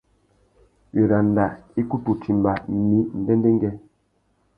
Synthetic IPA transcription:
ɥe˨ɾa˨n˨da˨i˦ku˦tu˨ti˨mba˨mi˨˦n̩˨dɛ˦nde˦ŋ˦ɡɛ˦

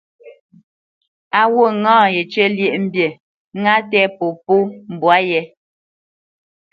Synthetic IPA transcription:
a˨wo˦˨ŋãː˦˨je˨t͡ʃe˦lje˦˨ʔm̩˦bje˨ | ŋa˦tɛ˦po˨po˦m̩˨bwa˦jɛ˨˦

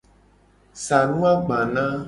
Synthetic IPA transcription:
sa˨nũ˦a˦ɡ͡bã˨nã˦

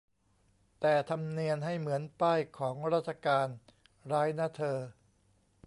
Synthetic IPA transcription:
t̪ɛː˨˩t̪ʰa˧mni˧ənɦa˥˩jmɯ˩˦ənpaː˥˩jkʰɔː˩˦ŋɾaː˥˩t̪̚t͡ɕʰa˧kaː˧n | ɾaː˦˥jna˦˥˩t̪ʰɤː˧

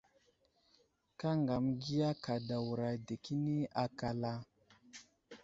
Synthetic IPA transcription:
ka˦ŋɡa˨mɡi˦ja˦ka˨da˨wu˨ɾa˨de˨ki˦ni˦a˨ka˨la˦

